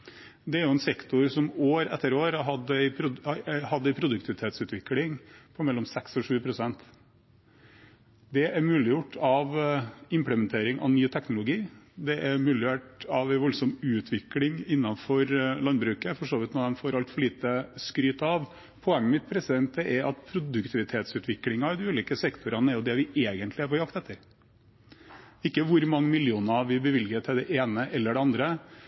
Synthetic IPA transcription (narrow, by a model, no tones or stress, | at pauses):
d̪ɛæɾjʊɛnsɛkt̪ʊɾsɔmoːɾɛ̰t̪ːəɾoːɾɑɦɑd̪ːəæɪpʰɾʊhɑd̪ːəæɪpʰɾʊd̪ʉk̚t̪ʰɪʋɪt̪ʰeːt̪sʉːt̪ʋɪklɪŋpʰɔmɛlːɔmsɛksɔʂʉːpʰɾʊsɛnt̪ | d̪ɛʔæɾmʉːlɪjʊʈʰːɑʋɪmpləmɛnt̪ʰeːɾɪŋʔɑ̰ʋnyːt̪ʰɛknʊlʊɡiːd̪ɛʔæɾmʉːlɪʋeːʈɑʋæɪʋɔlsɔmʉːt̪ʰʋɪklɪŋɪnːɑfɔɾlɑnbɾʉːkəfɔʂoːʋɪt̪nɔd̪ɛnfoːɾʔɑlt̪fɔɭiːt̪əskɾyːt̪ɑʋ | pʰɔɛŋːəmɪt̪̚pʰɾɛsɪd̪ɛnt̪̚ɛʔɛɾɑt̪pʰɾʊd̪ʉkt̪ʰɪʋɪt̪ʰeːt̪sʉːt̪ʰʋɪklɪŋɑd̪ɪʉːliːkəsɛkt̪ʰʊɾɑnəæɾjʊd̪ɛʋɪʔeːɡənt̪ʰlɪæɾpɔjɑkt̪ɛt̪ːəɾ | ɪkːəʋʊɾmɑŋːəmɪljuːnɑʋɪbəʋɪlɡət̪ʰɪld̪ɛʔeːnəʔɛlːəɖɛɑnd̪ɾə